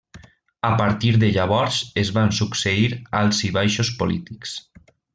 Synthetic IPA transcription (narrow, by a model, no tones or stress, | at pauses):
apaɾt̪iɾðeʎaβ̞ɔɾzezβansukseiɾalˠziβajʃospolḭt̪iks